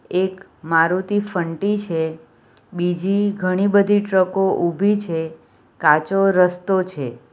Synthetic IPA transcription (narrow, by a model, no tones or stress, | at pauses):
ek | maɾut̪ifəɳʈit͡ʃʰe | bid͡ʒiɡʱəɽ̃ibəd̪ʱiʈɾəkoʔubʱit͡ʃʰe | kat͡ʃoɾəst̪ot͡ʃʰe